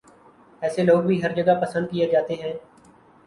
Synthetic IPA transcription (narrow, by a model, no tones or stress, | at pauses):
ɛːseloːɡbʱiːɦɐɾd͡ʒəɡapɐsə̃nd̪̚kijed͡ʒaːt̪eɦɛ̃ː